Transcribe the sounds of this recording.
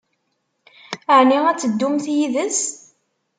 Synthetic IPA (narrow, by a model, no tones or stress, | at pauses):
əʕniʁæt͡sːəd̪ːumθjiðəs